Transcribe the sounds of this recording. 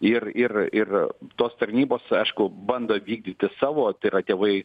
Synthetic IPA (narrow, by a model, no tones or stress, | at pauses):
ɪrɪrɪrt̪oːst̪ɐɾʲnʲiːboːsɐɪʃkʊbɐnd̪oːʋʲiːɡ̚d̪ʲit̪ʲɪsɑːʋoːt̪ɐɪɾɐt̪ʲeːʋɐɪ